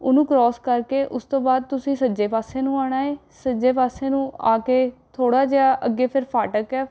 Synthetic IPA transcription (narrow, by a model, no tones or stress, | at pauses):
ʊnũːkɾɔːskəɾkeːʔʊst̪õːbaːd̪̚t̪ʊsĩːsəd͡ʒeːpaːseːnũːaːɽ̃aːeːsəd͡ʒeːpaːseːnũːaːkeːt̪ʰoːɽaːd͡ʒeaːʔəɡːeːpʰɪɾpʰaːʈəkɛː